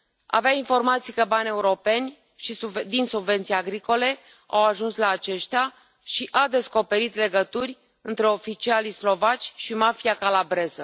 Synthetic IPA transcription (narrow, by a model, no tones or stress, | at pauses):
a̰veainfo̞rmat̪sijkəbanʲe̞uɾo̞pe̞nʲ | ʃisud̪insubve̞nt̪sijaɡɾiko̞le̞ | a̰waʒunslaːt͡ʃe̞ʃt̪ea | ʃiʔad̪e̞sko̞pe̞ɾit̪le̞ɡət̪urʲ | ɨnt̪ɾe̞o̞fit͡ʃialislo̞vat͡ʃʲʃimafijakalabɾe̞zə